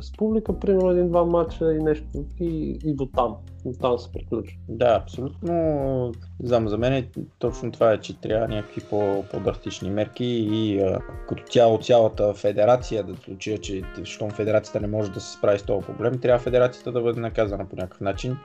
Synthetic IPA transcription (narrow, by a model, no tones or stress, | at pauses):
spublikəpɾimɛɾnʊɛd̪ind̪vamat͡ʃəinɛʃt̪ʊiːd̪ot̪am | t̪amsɛ̥pɾiklʲut͡ʃə̥d̪aɐpsolʲut̪no | zamzɐmɛnɛt̪ɔt͡ʃnot̪ovaɛt͡ʃɛt̪ɾʲʔavvənʲakə̥kvipopo̰d̪ɾɐst̪it͡ʃnimɛɾk̟iːəkɐt̪ɔ̥t̪ʲaot̪sʲjalˠət̪əfɛd̪ɛɾat̪sijəd̪ɐslˠut͡ʃiət͡ʃɛʃt̪ɔmfɛd̪ɛɾat̪sijət̪ənɛmɔʒɛd̪ɐsɛ̥spɾavist̪ɔəpɾo̰blɛmt̪ɾʲavəfɛd̪ɛɾat̪sijə̥t̪əd̪ɐbɤd̪ɛnɐkazənəponʲʔakə̥fnat͡ʃin